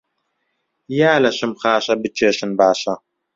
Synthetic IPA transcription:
jaːlɐɕɪmχaːɕɐbɨt͡ʃʰʼɐɕɨnbaːʃɐ

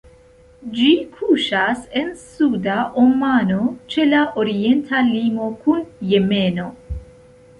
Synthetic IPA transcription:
d͡ʒikʰuʃase̞nsudaʔomano̞t͡ʃe̞laʔoɾie̞ntʰalimo̞kunje̞me̞no̞

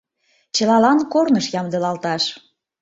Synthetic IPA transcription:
t͡ɕə̆lɑlɑnkornəʃjɑmd̪ɤlɑlt̪ɑʃ

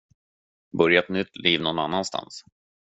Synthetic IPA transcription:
bɵɾjat̪nʏt̪ːliːvnɔnanːanst̪a̰ns

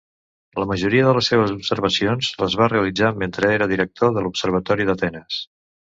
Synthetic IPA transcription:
ləməʒuɾiəðələsːeβ̞əzupsəɾβ̞əsionzləzβ̞areəlid͡zament̪ɾəeɾəðiɾək̚t̪oðəlupsəɾβ̞ət̪ɔɾiðət̪ɛnəs

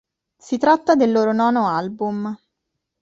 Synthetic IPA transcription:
sit̪ɾat̪ːad̪elːoːɾonɔːnoalbum

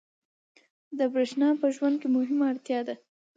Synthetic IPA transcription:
d̪əbɾeʃnɑpəʒwand̪̚kemʊɦɪmaɽt̪jɑd̪a

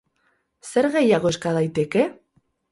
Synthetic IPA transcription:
se̞ɾɣe̞jaɣo̞eskað̞ajt̪e̞ke̞

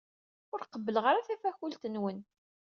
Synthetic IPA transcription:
ʊɾqəbːələʁəɾaθæfæçult̪ənwən

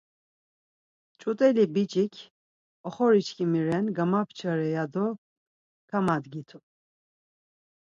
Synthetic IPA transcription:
t͡ʃʼut̪ʼɛlibit͡ʃʼikʲʰ | ɔχɔɾit͡ʃʰkʰimiɾɛnɡamapʰt͡ʃʰəɾɛjad̪ɔ | kʰamad̪ɡit̪ʰu

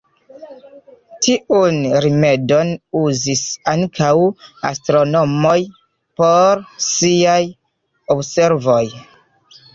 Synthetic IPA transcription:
tʰiʔunɾime̞do̞nuzisaŋkʰawa̰stɾo̞no̞moj | po̞ɾsiaj | obse̞ɾvoj

